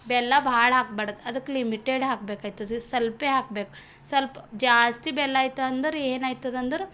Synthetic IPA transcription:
bɛːlːabʱaːɽɦaːk̚bɐɽət̪ɐd̪ɨklimiʈeːɖɦaːk̚beːkajt̪ɐd̪sɐlpeɦaːk̚beːk̚ | sɐlpd͡ʒaːst̪ibɛːlːaːjt̪aɐnd̪ɐɾenaːjt̪ɐd̪ɐnd̪əɾ

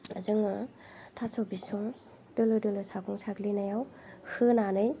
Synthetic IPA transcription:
azɯŋa | tʰasɔbisɔŋ | d̥ɯlɯdɯlɯsakʰɔŋsʰaɡlinajawhɯnanɯj

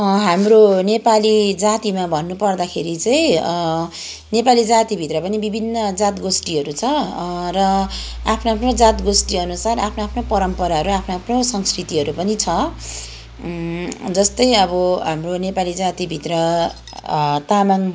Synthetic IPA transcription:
ʌɦamronepalid͡zat̪imabʱʌnːupʌrd̪akʰeɾit͡sʌj̃ | nepalid͡zat̪ibʱit̪rʌpʌnibibʱinːʌd͡zat̪ɡosʈiɦʌɾut͡sʰʌrʌ | apʰnoapʰnod͡zat̪ɡosʈiʌnusarapʰnoapʰnopʌɾʌmpʌɾaɦʌɾuapʰnoapʰnosʌŋskrit̪iɦʌɾupʌnit͡sʰʌ | d͡zʌst̪ʌjʌbʌɦamronepalid͡zat̪ibʱit̪rʌ | t̪amaŋ

